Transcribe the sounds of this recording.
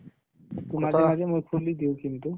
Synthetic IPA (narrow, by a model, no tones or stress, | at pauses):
t̪umaɛmad͡ʒɛmujkʰulid̪iwkint̪u